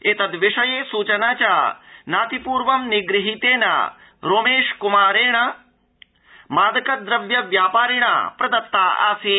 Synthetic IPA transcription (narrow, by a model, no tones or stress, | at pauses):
eːt̪ɐd̪ʋɪʂɐjeːsuːt͡ʃənaːt͡ʃaːnaːt̪ipuːɾʋɐmnɪɡɾɪɦit̪eːna̰ | ɾoːmeːʃkʊmaːɾeːɽ̃ɐ | maːd̪ɐkɐd̪ɾɐʋjɐʋjaːpaːɾiɳ̃a̰pɾɐd̪ɐt̪ːaːa̰ːsiː